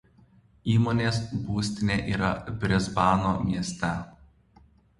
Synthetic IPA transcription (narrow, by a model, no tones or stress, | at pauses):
iːmoːnʲeːsbuːsʲt̪ʲɪnʲeːʔiːɾɐbʲɾʲɛzbɑːnoːmʲiɛsʲt̪ʲɛ